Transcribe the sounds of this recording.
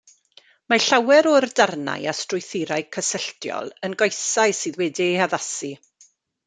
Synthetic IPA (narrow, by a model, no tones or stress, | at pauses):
maɬawɛɾɔrdarna̰jastrʊjθɪɾaɨkʰəsəɬtjɔ̰lˠənɡɔjsajsɨːðwɛdiaðasi